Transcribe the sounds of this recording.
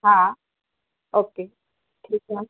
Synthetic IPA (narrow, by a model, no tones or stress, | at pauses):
ɦã | oːke | ʈʰiːka